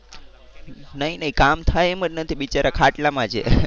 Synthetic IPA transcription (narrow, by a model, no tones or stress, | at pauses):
nəɦinəɦikamt̪ʰajemənnət̪ʰiɓit͡ʃaɾʔakʰaʈlamãt͡ʃʰḛ